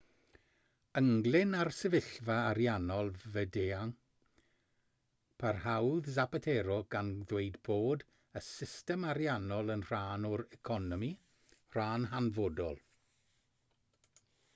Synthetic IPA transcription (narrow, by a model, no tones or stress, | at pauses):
əŋɡlˠɪnarsəvɪɬvaːɾjanɔlˠvədeːaŋ | pʰarhawðzapatʰeɾɔɡ̥anðwejdboːd | əsɪstɛmaɾjanɔlˠənr̥aːnɔɾɛkʰɔnɔmi | r̥aːnɦanvodɔlˠ